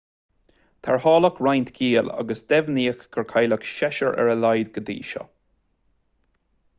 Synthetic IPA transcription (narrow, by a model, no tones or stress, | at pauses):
t̪ʰaɹhɑːləkɹajnt̪ɡiːla̰ɡəsd̪ɛvniːəxɡ̥əɹkʰajləkʃɛʃəɹʔɛ̰ɹəlajd̪ɡəd̪ḭːʃɔ̰